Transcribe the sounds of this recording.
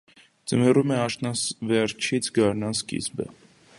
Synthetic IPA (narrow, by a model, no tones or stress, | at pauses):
t͡səmɛrumɛɑʃnɑsvɛɾt͡ʃʰit͡sʰɡɑɾnɑnskḭzbə̰